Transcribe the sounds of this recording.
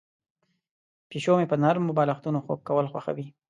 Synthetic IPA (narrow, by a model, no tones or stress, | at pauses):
piʃomepənaɾmːobɑlaxt̪unoxo̰kːawəlxwaxa̰wi